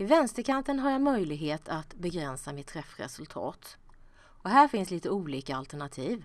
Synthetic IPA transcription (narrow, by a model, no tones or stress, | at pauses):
ɪvɛnst̪əkʰant̪ənɦaɾjamœjlɪɡɦeːt̪ʰat̪bɛɡɾɛnsamɪt̪ʰːɾɛfɾɛ̰sɵlt̪ʰɑ̰ːt̪ | ɔɦæːɾfɪnsliːt̪əuːliːkaalt̪æɳat̪ʰiːv